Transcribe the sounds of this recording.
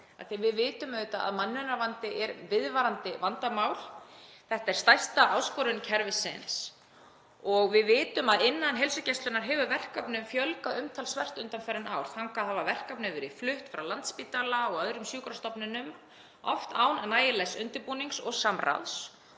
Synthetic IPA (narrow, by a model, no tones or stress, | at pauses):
a̰θivɪðvɪːt̪ʏmœːɥt̪aa̰ðmanːʏnaɾvant̪ɪʔɛɾvɪðvaɾant̪ɪvant̪amawl̥θɛht̪aɛɾ̥st̪ajst̪aʔaːwskɔɾʏncʰɛɾvɪsɪ̰ns | ɔɣvɪðvɪːt̪ʏmaðɪnːanɦɛlsʏcɛst̪lʏnaɾ̥ɦɛvʏvɛr̥kapnʏmfjœlkaʏmt̪ʰalsvɛr̥t̪ʏnt̪amfɛɾɪnaːwɾ̥θaŋkaðhavavɛr̥kapnɪvɛɾɪflʏht̪fɾawlant̪spit̪alaɔɣœðɾʏmsjuːkɾast̪ɔpnʏnʏm | ɔ̰ft̪aːwnnaːjɪlɛsʏnt̪ɪɾpuːniŋksɔɣsamra̰ðs